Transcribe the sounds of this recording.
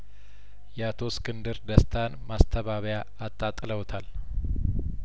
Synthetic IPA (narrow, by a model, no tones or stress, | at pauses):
jɛat̪ʰo̞skʰʼɨnd̪ɨɾd̪əst̪ʰanmast̪ʰəβaβəjaːt̪ʼːat̪ʼːləwt̪ʰal